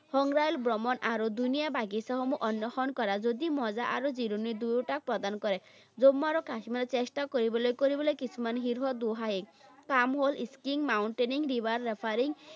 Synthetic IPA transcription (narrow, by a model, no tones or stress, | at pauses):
hɔŋɾajlbɾɔmɔnʔaɾod̪unijabaɡisaɦɔmuʔɔnjɔxɔnkɔɾad͡ʒod̪imɔd͡ʒaʔaɾod͡ʒiɾonid̪ujʈak̚pɾɔd̪anɔkɔɾe | d͡ʒomːaɾɔkasimaɾɔt͡ʃesʈakoɾibɔlojkoɾibɔlojkisʰumanɦiɾɦɔd̪uɦaɦikamɦolʔiskiŋmawɳʈeniŋɾibaɾːepʰaɾiŋ